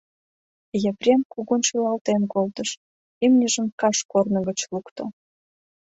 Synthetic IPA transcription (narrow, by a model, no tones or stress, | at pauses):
jəprʲemkuɣunʃylɑlt̪enkolt̪əʃ | imnʲəʒə̆mkɑʃkornə̆ɣət͡ɕlukt̪o